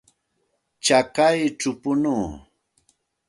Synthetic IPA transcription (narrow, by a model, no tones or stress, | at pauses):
t͡ʃakajʈ͡ʂʊpʊnuː